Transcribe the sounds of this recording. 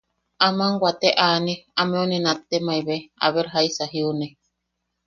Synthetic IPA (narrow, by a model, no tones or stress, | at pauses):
amaŋɡwat̪eʔaniamẽunẽnãt̪emaiβea̰βeɾɦaisaɦiune